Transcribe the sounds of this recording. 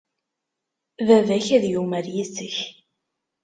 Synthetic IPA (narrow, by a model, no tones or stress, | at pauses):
vævæçæðjumæɾjisəç